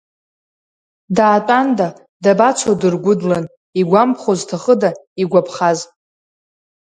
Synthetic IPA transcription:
daːtʼanda | dabat͡sʷʰodɨrɡʷʊdlan | iɡʷampʰχoztʰaχədaiɡʷapʰχaz

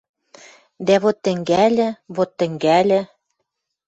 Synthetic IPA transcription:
d̪æβot̪ːɘ̆ŋɡælʲɘ̆βot̪ːɘ̆ŋɡælʲɘ̆

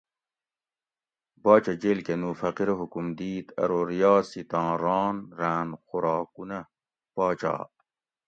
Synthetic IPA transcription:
bɑːt͡ɕɐd͡ʑelkenuːfɐqiɾɦukumd̪iːt̪ɐ̰ɾoɾijɑːsit̪ɑ̃ːɾɑːnɾaːnxuɾɑːkunɐ | pɑːt͡ɕɑ̰ː

